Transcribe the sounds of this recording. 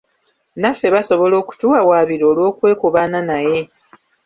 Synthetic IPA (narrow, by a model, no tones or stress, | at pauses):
nafːe̞βaso̞βo̞lo̞ːku̥tuawaːβiɾo̞ːlwo̞ːkwe̞ːkuβananaje̞